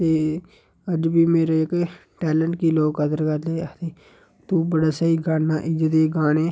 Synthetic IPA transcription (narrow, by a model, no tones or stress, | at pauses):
t̪eː | əd͡ʒbʱiːmeːɾeɪk | ʈɛːləɳʈkiːloːɡkət̪əɾkəɾd̪eːt̪eː | t̪ubəɽaːsəiɡaːnːaːʔɪd͡ʒəd̪eːɡaːneː